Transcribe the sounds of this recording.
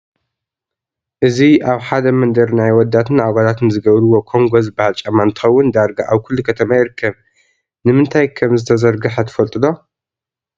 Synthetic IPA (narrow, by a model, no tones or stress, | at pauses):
ʔɨziaβħad̪ɐmɐnd̪ɐɾnajwɔd̪ːat̪ʰɨnaɡalat̪nɨzɨɡɐβɾɨwo̞kʰo̞ŋɡozɨbahalt͡ʃʼɐmant̪ʰɨ̥xɐwːʊnd̪aɾɡaʔaβkʰɨlːukʰɐt̪ʰɐmajɪɾkʰːɐβ | nɨmɨnt̪ʰajkʰɐmzɨt̪ʰɐzɐɾɡɨħɐt̪ʰɐ̥fɐlt̪ʼɨd̪o̞